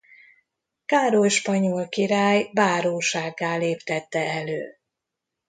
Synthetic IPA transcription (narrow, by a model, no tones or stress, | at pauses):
kaːɾojʃpɒɲolkiɾaːjbaːɾoːʃaːɡːaːleːpt̪ɛt̪ːɛɛløː